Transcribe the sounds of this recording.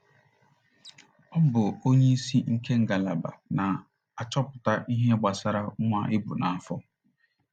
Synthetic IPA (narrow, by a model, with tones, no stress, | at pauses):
ɔ˦bʊ˨o˦ɲe˦i˦si˦ŋ̩˦ke˦ŋ̩˨ɡa˨la˨ba̰˨na˨ | a˨t͡ʃɔ˦pʊ˨ta˦ʔi˦ɦe˦ɡ͡ba˨sa˦ɾa˦ŋʷa˦ʔɪ˦bu˨na˨a˨fɔ˦